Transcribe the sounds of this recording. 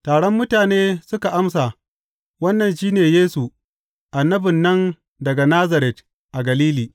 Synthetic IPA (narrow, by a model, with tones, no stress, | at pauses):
taː˨ɽɔ˦mːʊ˦taː˨neː˦sʊ˦ka˨ʔa˦msa˨ | wɐ˦nːɐ˨nʃiː˦neː˨jeː˦su˨ | ʔa˨nːɐ˦bɪ˨nːɐ˦n | dɐ˨ɡa˨naː˦zɐ˨ɾɛ˨t̚ | ʔa˨ɡɐ˨liː˦liː˨